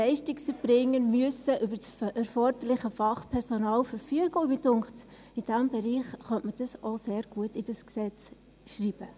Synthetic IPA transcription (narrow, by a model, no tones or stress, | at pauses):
lɛɪʃtɪksəb̥ɾɪŋːənmyəsəʔybəɛɾfɔɾdəɾlɪχəfɑχpʰɛɾsonɑːlfəɾfyəɡʊmidʊŋt | id̥æmbɛɾiːχχœntməd̥ɑsoseːɾɡ̥uətid̥əsksɛt͡s | ʃriːb̥ə